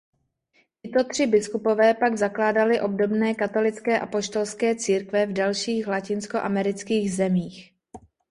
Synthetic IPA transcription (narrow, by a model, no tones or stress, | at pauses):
cɪt̪o̞t̪r̝̥ɪbɪskupo̞vɛːpaɡzaklaːdalɪʔo̞b̚do̞bnɛːkat̪o̞lɪt͡skɛːʔapo̞ʃt̪o̞lskɛːt͡siːɾkvɛvdalʃiːxlacɪnskoʔamɛɾɪt͡skiːɣzɛmiːx